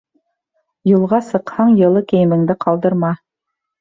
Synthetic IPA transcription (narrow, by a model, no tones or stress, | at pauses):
julˠʁɑsɤ̆qhɑɴjɤ̆lˠɤkɘ̆jɘ̆mɘ̆ŋd̪ɘqɑlˠd̪ɤ̆ɾmɑ